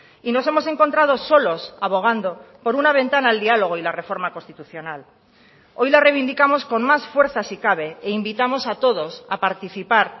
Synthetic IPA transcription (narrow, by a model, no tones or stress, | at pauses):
ino̞se̞mose̞ŋkont̪ɾað̞o̞so̞losaβoɣ̞and̪opo̞ɾunaβ̞e̞nt̪anald̪ialoɣ̞oilare̞fo̞ɾmakost̪it̪uθjonal | ojlareβind̪ikamo̞sko̞ŋmasfwe̞ɾθasikaβ̞eeimbit̪amo̞sat̪oðosapaɾt̪iθipaɾ